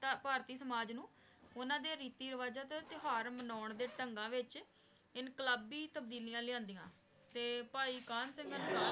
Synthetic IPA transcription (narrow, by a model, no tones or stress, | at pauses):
t̪paːɾt̪iːsəmaːd͡ʒnũː | ʊnãːd̪eːɾiːt̪iːɾəʋaːzaːt̪et̪ɪɦaːɾmənaːɳd̪eːʈəŋɡãːʋɪt͡ʃ | ɪnkləbiːt̪əb̚d̪iːlijãːlɪjãːnd̪ijã̰ː | t̪eːpaːiːkaːnsə̃ŋɡənː